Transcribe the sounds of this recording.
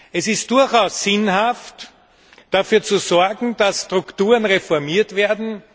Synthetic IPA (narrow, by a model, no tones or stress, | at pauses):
ɛsɪst̚d̥ʊɐçaʊsːɪnhaft | d̥afyːɐt͡suzɔɐɡŋ̩d̥asːtʁ̥ʊktuːʁənʁefɔɐmiːɐtv̥eːɐdn̩